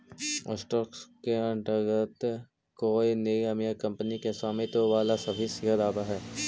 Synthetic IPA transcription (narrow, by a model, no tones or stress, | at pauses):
ɔ̰ːsʈɔːkskeɐ̃ɳʈəɡət̪ | koːineiɐmijəkɐ̃mpənikesaːmet̪oʋaːlasɐbʱisɪɦəd̪aːbaɦɛː